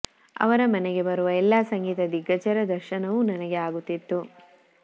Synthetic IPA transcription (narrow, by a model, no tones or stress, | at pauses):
ɐ̰ʋɐɾɐmɐnɛɡe̞bɐɾuʋɐɛlːaːsɐŋɡiːt̪ɐd̪iɡːɐt͡ʃɐɾɐd̪ɐɾʃɐnɐʋunɐnɐɡe̞aːɡut̪ːit̪ːu